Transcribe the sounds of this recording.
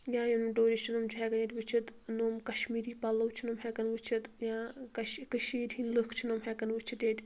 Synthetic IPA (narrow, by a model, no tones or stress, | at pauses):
jãːjɐnumɖoːɾit͡ʃʰinoːmt͡ʃʰɦɛːkɐnet̪ʲʋɨt͡ʃʰit̪noːmkɐʃmiːɾiːpɐlːɐwt͡ʃʰinoːmɦekɐnʋɨt͡ʃʰit̪jãːkɐʃkɐʃiːɾʲɦinlɨkʰt͡ʃʰinoːmɦekɐnʋɨt͡ʃʰit̪et̪ʲ